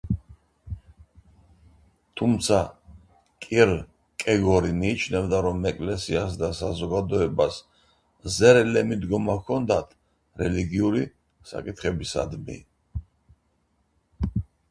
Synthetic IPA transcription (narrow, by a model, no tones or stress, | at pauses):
t̪ʰumt̪sʰa | kʼiɾ | kʼɛɡɔɾimiːt͡ʃʰnɛvd̪aɾɔmɛkʼlɛsias̬d̪asazɔɡad̪ɔɛbas | zɛɾɛlɛmid̪ɡɔmakʰɔnd̪at̪ʰ | ɾɛliɡiuɾi | sa̰kʼit̪ʰχɛbisa̰d̪mḭ